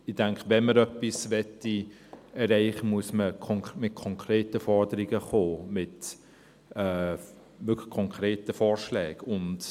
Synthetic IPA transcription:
ɪd̥ɛŋkvɛnməɾœpːisvɛtːi | ɛrɛɪχəmuəsməkʰɔmɪt̚kʰɔŋkʰreːtəfɔrdəɾiɡəχoːmɪt | ɛː | vʏkʰlə̥kʰɔŋkʰreːtəfɔːɾʃlɛːɡ̥ʊnt

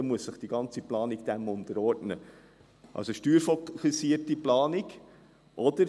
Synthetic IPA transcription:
ɛmuəssəχd̥iɡɑnt͡siplɑːniɡd̥̪æmʊntəɾɔrdnə | ʔɑ̰lsoʃtyːɾfɔkːusiəɾtiplɑːnɪɡ | ʔɔd̥̪əɾ

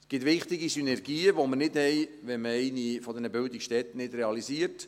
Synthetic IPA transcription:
sɡ̥ɪt̪ʋɪχt̪ɪɡisynɛrɡiːəʋoməɾnɪdhɛj | ʋɛnməɛɪnifɔd̪ɛnəbʏld̪ɪkʃtɛt̪ːənɪdɾɛɑlisiəɾt

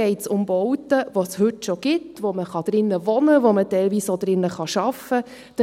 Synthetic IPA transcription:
ɛɪtsʊmbɔʊtəʋoshʏtʃoɡ̥ɪtvoməχɑd̥ɾɪnːəvɔnəʋomətɛɪlviːsod̥ɾɪnːəχɑʃɑfə | d̥

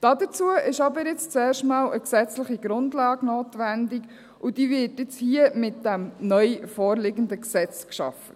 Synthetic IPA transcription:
d̥ɑːdət͡suəʔɪʃɑbəɾjɪt͡st͡sɛːrʃtmɑːlʔəksɛt͡sləχiɡɾʊndlɑːɡnoːtʋændik | ʔʊd̥iːvɪtɪt͡shiəmɪt̚d̥æmnœʏfɔːrlɪɡəndəksɛt͡skʃɑ̰fə̥

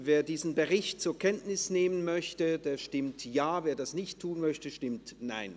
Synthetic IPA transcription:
veːɐdiːzn̩bəʁɪçtt͡suːɐkʰɛntnɪsneːmənmœçtədeːɐʃtɪmtjaːveːɐdasnɪçttʰːuːnmœçtəʃtɪmtna̰ɪn

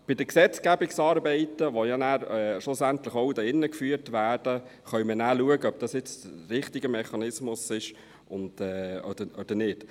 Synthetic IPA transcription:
b̥ɪd̥əksɛt͡skæbɪksɑːɾbɛɪtəʋojɑnæːɾɛʃlʊsænt̪lɪχoʊdɑɪnːəkfyːɾtʋæːɾd̥əχœʏmənæːluəɡəœb̚d̥ɑsjɪt͡stɾɪχtɪɡəmɛχɑnɪsmʊsɪʃ | ʊnd̥ɛːɔ̰d̥əɔd̥əɾnɪt

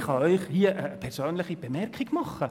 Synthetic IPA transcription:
χɑœʏχhiːəʔəpʰɛɾsøːnlɪχib̥emɛɾkʰɪɡmɑχə

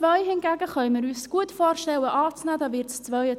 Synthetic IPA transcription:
ʋœʏhɪnɡæɡəχœʏmɪɾyːsɡ̥uətfoːrʃtɛləʔɑːt͡snæːdɑːvɪɾtst͡sʋœʏə

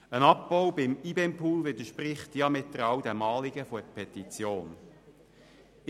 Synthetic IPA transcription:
ənɑp̚bɔwbɪmibɛmpʰuːlvɪdəʃpɾɪχtjɑmɪt̚dəɾɑwdɛmɑːliɡ̥əfɔpʰɛt̪it͡sjoːn

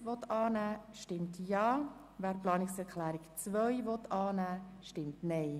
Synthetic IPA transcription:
ʋɔtɑːnæːʃtɪmtjɑː | væːɾplɑːnɪksɛʁkʰlæːɾɪkt͡svœʏvɔtɑːnæːʃtɪmtnɛɪ

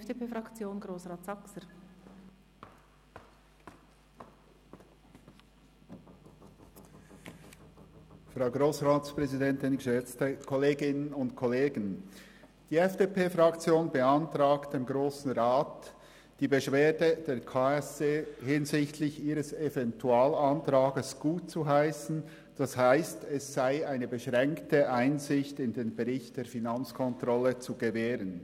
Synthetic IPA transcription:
d̥epeːfɾɑkt͡sjoːnɡɾoːsʁaːtsɑksəɾ | fʁaʊɡʁoːsʁaːtspʁ̥ɛzidɛntɪnʃɛt͡stəkʰɔleːɡɪnənʊntkʰɔleːɡən | d̥iːɛfd̥eːpʰeːfɾɑkt͡sjoːnbəantʁaːkt̚d̥eːmɡɾoːsn̩ʁaːt | d̥iːbəʃv̥eːdəd̥eːɾkʰaːɛsd̥eːhɪnzɪçtʰlɪçiːɾəsevɛntʰuaːlantɾaːɡəsɡ̥uːt̚t͡suɦaɪsn̩ | d̥ashaɪstɛsːaɪaɪnəbəʃʁɛŋktəʔaɪnzɪçtɪndeːnbəʁɪçt̚d̥eːfinant͡skʰɔntʁ̥ɔlət͡suɡəveːɾən

